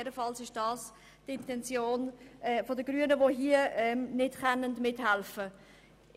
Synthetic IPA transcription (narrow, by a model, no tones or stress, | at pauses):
ɛɾəfɑlsɪʃd̥ɑːs | tɪntɛnt͡sjoːnɛfɔdəɡ̥ɾyənəʋoɦiəɛmnɪd̥χɛnəndmɪthælfə